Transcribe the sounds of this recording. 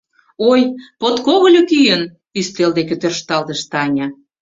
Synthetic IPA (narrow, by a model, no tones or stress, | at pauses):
ojpot̪koɣəlʲukyjən | yst̪eld̪ekøt̪ørʃt̪ɑlt̪əʃt̪ɑnʲɑ